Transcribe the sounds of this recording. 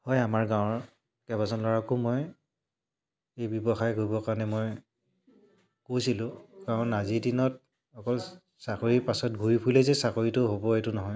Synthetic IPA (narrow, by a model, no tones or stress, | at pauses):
hɔjamaɹɡãwɔɹ | kɛbazɔnlɔɹakʊmɔj | ejbjɔbɔxajɡoibɔkaɹɔnɛmoj | kowsilʊ̃ɡ̥awʊ̃nazidinɔt̚ | ɔkɔl | sakoɹipasɔt̚bʱuipʰulɛzɛsakoɹitʊɦobɔetʊnɔɦɔj